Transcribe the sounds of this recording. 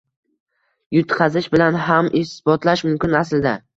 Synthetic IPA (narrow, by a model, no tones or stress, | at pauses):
jʊt̪qʰɑzɪʃbɪlanɦamʔɪsbɒt̪laʃmʊmkʲɪnasld̪a